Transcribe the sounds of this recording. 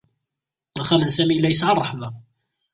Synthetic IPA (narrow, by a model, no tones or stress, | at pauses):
æχæmənsæmijlːæjəsʕərˤəħmæ